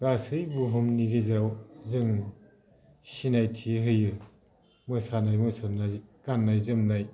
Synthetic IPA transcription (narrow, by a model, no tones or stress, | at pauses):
ɡasɯjbuɦumniɡejzɾawzɯŋ | sinajtʰiɦɯjɯ | mɯsanajmɯsanajɡanːajzɯmnaj